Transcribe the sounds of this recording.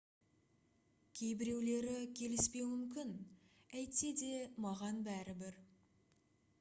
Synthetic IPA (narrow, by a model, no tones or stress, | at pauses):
kʲʰe̞jbɪɾe̞wle̞ɾɪkʲʰe̞lɪspe̞wmʏmkʲɪnæjt̪se̞d̪e̞mɑʁɑnbæɾɪbɪɾ